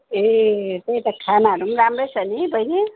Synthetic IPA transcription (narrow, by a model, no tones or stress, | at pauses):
et̪eit̪akʰanaɦʌɾumɾamɾesʌnibʌjni